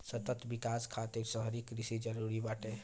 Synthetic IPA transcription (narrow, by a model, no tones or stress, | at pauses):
sət̪ət̪bikaskʰat̪iɾsəɦəɾikɾisid͡ʒəɾuɾibaʈe